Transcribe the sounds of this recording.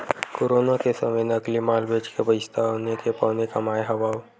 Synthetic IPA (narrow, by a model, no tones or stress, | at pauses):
koːɾoːnakesɐmejnəklimaːlbeːd͡ʒkebəɪst̪ʰaɦonekepɔːnekamaːjɦɐʋaːw